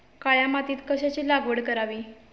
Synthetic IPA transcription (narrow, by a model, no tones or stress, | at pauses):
kajamat̪iːt̪kəɕat͡ɕiːlaɡʋəɽkəɾaʋiː